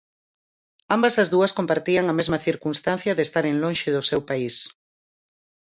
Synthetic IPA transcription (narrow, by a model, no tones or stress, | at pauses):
ambɐzɐzðuɐskompaɾt̪iɐŋɐmezmɐθiɾkunst̪an̟θjɐðest̪aɾeŋlõnʃeðʊsewpais